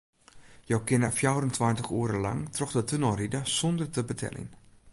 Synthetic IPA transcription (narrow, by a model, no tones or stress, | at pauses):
jowkɪnəfjawrəntʰʋantəxuːəɾəla̰ŋtrɔxdətʰənɔridəsondərtəbətʰɛ̰lḭn